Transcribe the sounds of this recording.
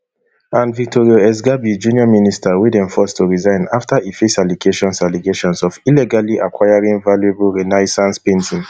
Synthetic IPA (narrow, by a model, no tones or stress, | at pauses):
ãnvik̚tʰoɹioɛs̬ɡabid͡ʒũniɔministawidɛ̃ɱfɔstoɹizãɪ̃naftaefesaliɡeʃɔ̃nsaliɡeʃɔ̃nsɔvilɛɡaliʔakʰwaɪaɹĩŋvalueblɹinaɪsãnspẽntĩŋ